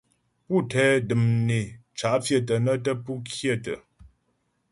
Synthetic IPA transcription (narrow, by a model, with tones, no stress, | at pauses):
pu˦˨tʰɛ˨˦dɨ˨mne˨t͡ʃa˨˦ʔfjə˦˨t̬ə˨nə˦tə˦pu˦kʰje˦˨tə̰˨